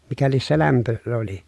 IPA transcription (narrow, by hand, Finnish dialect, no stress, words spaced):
mikæ lies se læmpø oli